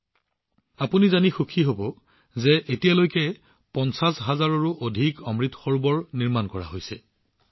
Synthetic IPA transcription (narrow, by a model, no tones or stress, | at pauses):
apunizanixukʰiɦobɔ | zɛʔetijalojkɛ | pɔnsasɦazaɹɔɹuʔodʱikɔmɹitxɔɹbɔɹniɹmankɔɹa̰ɦojsɛ